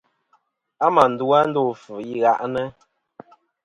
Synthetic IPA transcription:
a˦ma˨n̩˨du˦a˦n̩˦do˦˨fɨ˨i˦ɣa˦ʔnə˦

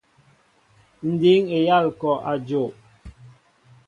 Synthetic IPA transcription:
n̩˨di˨˦ŋe˨ja˦˨lkɔ˨ʔa˨d͡ʒo˨ʔ

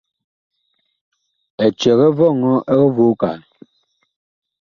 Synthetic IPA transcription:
ɛ˨t͡ʃɛ˨ɣɛ˦vɔ˦˨ŋɔ˦ʔɛ˦ɣɛ˦vu˦ka̰˨n˨

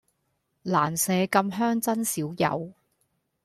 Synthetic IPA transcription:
laː˨˩nsɛː˨˧kɐ˧mɦœː˥ŋt͡sɐ˥nsiː˨˥wjɐ̰˨˧w

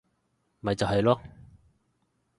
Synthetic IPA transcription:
mɐ˨jt͡sɐ˨whɐ˨jlɔː˥

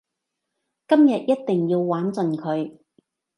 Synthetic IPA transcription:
kɐ˥mjɐ˨t̚jɐ˥t̚t̪ɪ˨˩ŋjiː˧wwaː˨˥nt͡sɵ˨nkʰɵ˨˧ɥ

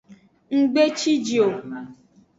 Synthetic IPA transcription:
ŋ̩˦ɡ͡be˦t͡ʃi˦d͡ʒi˨o˨

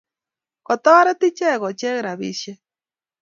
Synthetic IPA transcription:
ko˨t̪o˦a˦ɾe˦t̪i˦t͡ʃe˦˨ɣo˨t͡ʃe˦ɣɾa˨βḭ˦ʃe˦

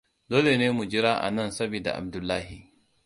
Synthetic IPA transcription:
doː˦le˨neː˦mu˨d͡ʒɪ˦ɾaː˦ʔa̰˨nɐ˦˨nsɐ˦bi˨da̰˨ʔa̰˨b̚dʊ˨lːaː˦hi˨

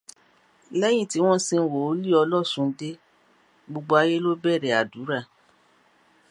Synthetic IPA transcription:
lɛ˦j̃ĩ˦˨ti˦w̃ɔ̃˦sĩ˧n̩˨wo˨o˦li˦˨ɔ˧lɔ˦˨sũ˧˦de˦ | ɡ͡bo˧ɡ͡bo˧˦a˧je˦lo˦bɛ˦˨ɾɛ˨a˨du˨˦ɾa˦˨

